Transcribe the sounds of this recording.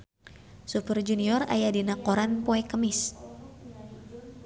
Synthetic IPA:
supərd͡ʒuniɔra̰jadinakoɾanpoɛkəmɪs

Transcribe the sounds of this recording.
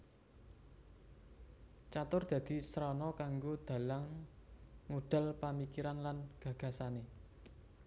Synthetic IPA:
t͡ʃat̪ʊrd̪̥ä̤d̪̥i̤sɾɔnɔkaŋɡod̪̥a̤laŋː | uɖ̪̥a̤lpamikiɾanlanɡ̥ä̤ɡ̥ä̤sane

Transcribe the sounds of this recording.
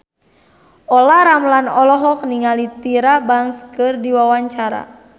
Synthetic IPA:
ɔlaɾamlanɔlɔɦɔk̚niŋalit̪iɾabaŋskɨrdiwawaɲt͡ʃaɾa̰

